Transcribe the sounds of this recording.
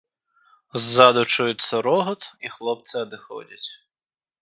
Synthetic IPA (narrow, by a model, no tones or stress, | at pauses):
zːɑd̪ʊt͡ʃujʊt̪ʲsʲɐɾɔɦɔt̪ixlˠɔp̚t̪sɛɐd̪ɪxɔ̰dʲɐtʲ